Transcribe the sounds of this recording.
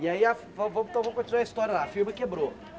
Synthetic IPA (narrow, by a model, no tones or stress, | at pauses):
iɐiafvɐ̃vɐ̃mt̪ɐ̃vɐ̃mɐkõt̪izaɾɐiʃt̪ɔɾjɐlˠafilmɐkebɾo